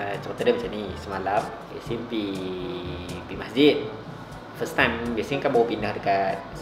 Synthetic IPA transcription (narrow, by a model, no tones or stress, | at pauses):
t͡ʃat̪ədəmt͡ʃanisumalam | ḭsinpi | bimaszit̪̚ | fəst̪ãmbisiŋkabobinədɨka